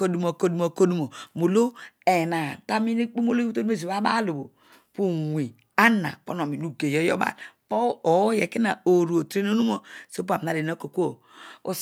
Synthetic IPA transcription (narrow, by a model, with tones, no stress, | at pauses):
ko˨du˨mo˨ko˦du˦mo˨ko˦du˦mo˨mo˨lo˦e˨na˨ta˦mi˦ne˦k͡pu˦m˦o˦lo˦to˦u˦e˦za˦ba˦lu˨bo˨ | pu˦wʷi˨ | a˦nːa̰˨po˦no˨mi˨nu˦˨ɡe˨jɔ˦jɔ̰˦ba̰˨lpo˦o˨˦je˨ki˦na˨o˨ɾu˨o˨tɾe˦n˦o˦nu˦mo˨so˦p̬a˨m˨na˨de˨no˦ko˨ko˨ | o˦